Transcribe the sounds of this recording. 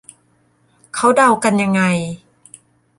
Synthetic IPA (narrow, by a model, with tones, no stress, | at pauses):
kʰa˦˥wda˧wka˧nja˧ŋːa˧j